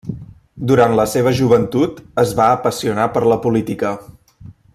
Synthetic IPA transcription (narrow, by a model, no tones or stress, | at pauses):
d̪uɾant̪ləseβ̞əʒuβ̞ənt̪ut̪əzβaːpəsiunapəɾləpulit̪ikə